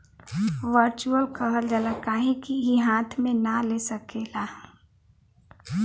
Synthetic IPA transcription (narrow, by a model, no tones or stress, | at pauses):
ʋəɾt͡ʃuəlkəɦəld͡ʒələkaɦẽkiiɦãːt̪ʰmẽnalesəkeːla